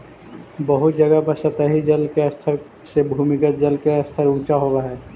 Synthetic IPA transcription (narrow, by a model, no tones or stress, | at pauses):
bəɦʊt̪̚d͡ʒɐɡabəsət̪aɦid͡ʒɐlkeɐst̪ʰəɾ | sebʱuːmɪkət̪̚d͡ʒəlkeɐst̪ʰəɾũːt͡ʃaɦoʋaɦɛː